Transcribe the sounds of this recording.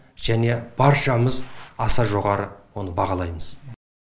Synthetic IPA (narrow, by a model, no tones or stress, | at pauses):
ʒ̥æne̞b̥ɑɾʃɑməzɑsɑʒo̞ʁɑɾəwo̞nəbɑʁɑlˠɑjməz̥